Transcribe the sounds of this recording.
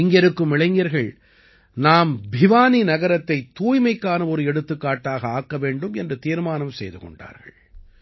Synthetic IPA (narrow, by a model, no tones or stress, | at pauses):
ɪŋɡɛɾɯkːɯmɪɭɐɪŋɡɐɾɣɐɭ | naːmbʱɪʋaːninɐɣɐɾɐt̪ːɐɪt̪ːuːjmɐɪkːaːnɐɔɾɯɛɽɯt̪ːɯkːaːʈːaːɣɐaːkːɐʋeːɳɖɯmɛndrɯt̪iːɾmaːnɐmsɛjðɯkɔ̰ɳɖa̰ːɾɣɐ̰ɭ